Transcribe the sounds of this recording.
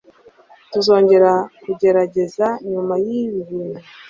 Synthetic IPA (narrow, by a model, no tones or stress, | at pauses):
tuzo̞ːɲɟe̞ɾakuɟe̞ɾaɟe̞zaɲumajiβiβuna